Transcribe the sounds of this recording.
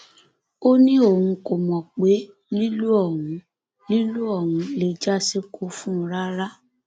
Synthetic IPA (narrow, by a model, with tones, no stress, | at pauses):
o˦nĩ˦o˦˨wũ˧ko˨mɔ̃˨k͡pe˨˦ | li˦lu˦ɔ˦˨wũ˨˦ | li˦lu˦ɔ˦˨wũ˨˧˦le˨d͡ʒa˦se˦kʰo˦fũ˦˧˦ɾa˦ɾa˦